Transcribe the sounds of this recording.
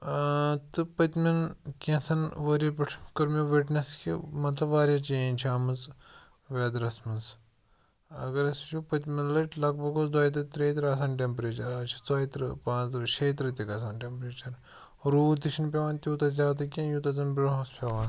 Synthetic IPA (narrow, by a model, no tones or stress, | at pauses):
t̪ɨpɐt̪ʲmɐnkʲẽsɐnʋɐɾipɐʈʰkɐɾmʲiʋiʈnɐskʰḭmɐt̪lɐbʋaːɾʲjat͡ʃijẽnʲt͡ʃʰaːmɨz | ʋeːd̪ɾɐsmɐnz | ɐɡɐɾɐsit͡ʃʰupɐt̪ʲmʲɐnlɐʈlɐk̚bɐɡozd̪aːit̪̬ɨt̪ɾeːt̪ɾɐsaːnʈ̬ʲempɾeːt͡ʃɐɾaːt͡ʃʰi̥t͡saːit̪ɾɨpãːt͡st̪ɾɨʃeːt̪ɾɨt̪ʲikɐsaːnʈʲempɾeːt͡ʃɐɾ | ɾuːt̪iʃʰinpʲeʋaːnt̪ʲuːt̪ɐzʲaːd̪ɨkʲẽjut̪ɐzɐnbiɾɐspʲeʋaːn